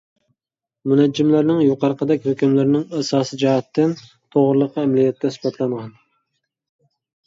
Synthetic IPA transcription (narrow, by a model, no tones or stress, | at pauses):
munɛd͡ʒːɪmlɪɾnɪŋjoqʰɑɾqʰəd̪ɛkʲhøkʲɪmlɪɾnɪŋæsɑːsɨd͡ʒɛɦɛt̪ʰːɪn | t̪ʰoʁɾɨlˠəqʰɑɛmlijɛt̪ːɛsbɑt̪ʰlˠɑɴʁɑn